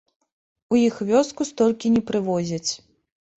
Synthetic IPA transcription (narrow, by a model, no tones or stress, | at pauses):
ujixvʲɔskust̪ɔlʲkʲinʲɛpɾɨvɔzʲɐt͡sʲ